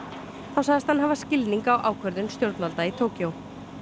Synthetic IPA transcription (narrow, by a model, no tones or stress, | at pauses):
θawsaɣðɪst̪hanɦavascɪlniŋkawʔaːwkʰvœɾðʏnst̪jowɾt̪nalt̪ait̪ʰoːwcjow